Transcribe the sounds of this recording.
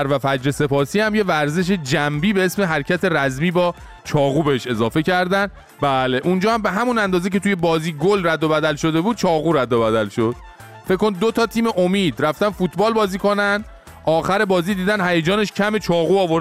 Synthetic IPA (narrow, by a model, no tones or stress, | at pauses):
ɾvæfæd͡ʒɾese̞pʰɒːsiːhæmje̞væɾze̞ʃ̬e̞d͡ʒæmbiːbe̞esme̞ɦæɾcʰæt̪ʰe̞ɾæzmiːbɒː | t͡ʃʰɒːɣuːbeheʃe̞zɒːfe̞cʰæɾd̪æn | bæːleʔund͡ʒɒːhæmbe̞ɦæmunænd̪ɒːze̞c̬e̞t̪uːje̞bɒːziːɡolræd̪ːo̞bæd̪ælʃo̞d̪e̞buːd̪̥̚t͡ʃʰɒːɣuːɾæd̪ːobæd̪ælʃo̞d̪̥ | feckːond̪ot̪ʰɒːt̪ʰiːmeʔomiːd̪̥ræft̪ænfuːt̪ʰbɒːlbɒːziːko̞næn | ʔɒːxæɾe̞bɒːziːd̪iːd̪ænhæjed͡ʒɒːne̞ʃcʰæme̞t͡ʃʰɒːɣuːɒːvoɾ